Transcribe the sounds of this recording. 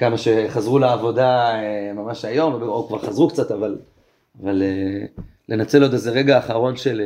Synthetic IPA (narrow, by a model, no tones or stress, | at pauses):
kamaʃe̞χazʁulaːvo̞daemamaʃajo̞mvebeokvaʁχazʁukt͡sat̪aval | avalelʔe̞nat͡se̞lod̪ezeʁe̞ɡaːχaʁo̞nʃe̞l